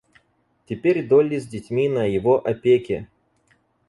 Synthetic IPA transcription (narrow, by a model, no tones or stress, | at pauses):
tʲɪpʲeɾʲd̪olʲɪzʲdʲɪtʲmʲinəjɪvoʔɐpʲekʲɪ